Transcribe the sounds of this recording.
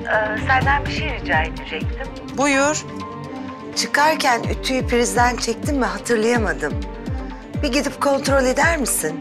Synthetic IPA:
ɯːsænd̪ænbiʃejɾid͡ʒaːed̪ed͡ʒɛc̚t̪ʰim | bujuɾ̥ | t͡ʃʰɯkʰaɾcʰæny̰t̪ʰyjypʰiɾizd̪ænt͡ʃʰɛc̚t̪ʰimvɛɦat̪ʰɯɾlˠajamad̪ɯm | biɟid̪ipkʰo̞nt̪ɾo̞lʲe̞d̪æɾmisin

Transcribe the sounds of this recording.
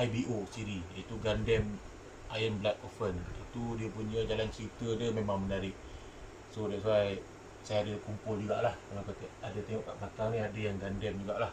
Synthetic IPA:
ʔajbiʔosiɾijəit̪uɡandɛm | ʔajənblak̚ofənit̪udiəpuɲəd͡ʒalant͡ʃəɾit̪ədəmemaŋmənaɾɪʔ | sodaʔsuaj | sajaadəkumpʊld͡ʒuɡa̰ʔlahkanakat̪əadat̪ɛŋɔʔka̰ʔmak̪aŋnĩadajaŋɡandɛmd͡ʒuɡaʔlah

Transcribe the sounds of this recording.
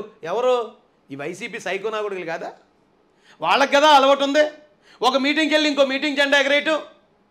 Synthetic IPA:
ɛʋɐɾoː | iːʋɐjsiːpiːsɐjkonaːɡuɽɐɡɐlɡaːd̪aː | ʋaːɭːɐkɡɐd̪aːɐlɐʋɐʈːund̪i | ɔkɐmiːʈ̬iŋɡkelːiiŋko̞ːmiːʈ̬iŋɡd͡ʒɛɳɖaːeɡɐɾejʈu

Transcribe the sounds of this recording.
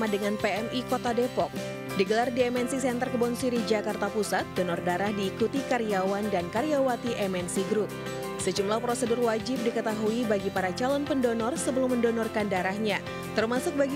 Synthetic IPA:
madəŋanpeɛmikot̪adepɔk̚ | diɡəlardiɛmɛnsisɛnt̪ərkəbɔnsiɾid͡ʒakart̪apusat̪̚dɔnɔrdaɾahdiːkut̪ikaɾijawandankaɾijawat̪iʔɛmɛnsiɡɾʊp̚ | səd͡ʒumlahpɾosədʊrwad͡ʒɪp̚dikət̪aɦuibaɡipaɾat͡ʃalɔnpəndɔnɔrsəbəlʊmːəndɔnɔrkandaɾahɲa | t̪ərmasʊk̚baɡ

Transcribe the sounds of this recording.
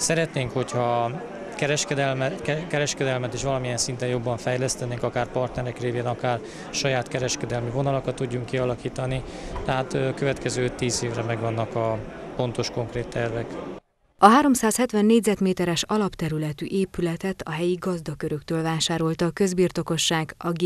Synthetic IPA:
sɛɾɛt̪neːŋkho̞chɒ | kɛɾɛʃkɛd̪ɛlmɛkɛɾɛʃkɛd̪ɛlmɛt̪eːʃʋɒlɒmijɛnsint̪ɛjo̞bːɒɱfɛjlɛst̪ɛneːŋkɒkaːrpɒrt̪nɛɾɛkreːveːnɒkaːr | ʃɒjaːt̪kɛɾɛʃkɛd̪ɛlmivo̞nɒlokɒt̪ːuɟːuŋkːiɒlɒkiːt̪ɒni | t̪ɛɦaːt̪køvɛt̪kɛzøːøt̪ːiːzeːvrɛmɛɡvɒnːɒkɒpo̞n̪t̪o̞ʃko̞ŋkreːt̪ːɛrvɛk | ɒɦaːɾo̞msaːshɛt̪ʋɛnːeːɟʲzɛt̪meːt̪ɛɾɛʃɒlɒpt̪ɛɾylɛt̪y̰ʔeːpylɛt̪ɛt̪ɒɦɛjiɡɒzd̪ɒkøɾø̞kt̪øːlvaːʃaːɾo̞lt̪ɒːkø̞zbiːrt̪o̞ko̞ʃːaːɡɒɡ

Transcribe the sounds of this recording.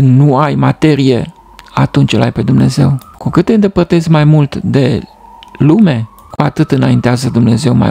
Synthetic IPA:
nuajmat̪e̞ɾije̞̰ | at̪unt͡ʃjəla̰jpe̞d̪umne̞̰ze̞̰wkukɨt̪ːeɨnd̪e̞pərt̪e̞zmajmult̪d̪e̞ | lume̞ | kuat̪ɨt̪ɨnaint̪eazəd̪umne̞ze̞wma̰

